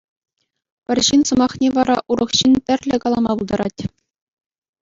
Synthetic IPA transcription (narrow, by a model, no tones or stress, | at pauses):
pʲɘ̆rʲɕinsɤ̆mɑχnʲeʋɑɾɑʔuɾɤ̆χɕintʲɘ̆rʲlʲɘ̆kɑlˠɑmɑbulˠd̪ɑɾɑ̰tʲ